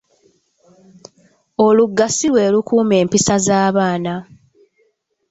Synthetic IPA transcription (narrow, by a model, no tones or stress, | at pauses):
o̞luɡːasilwe̞ːlukuːme̞ːmpisazaːβaːna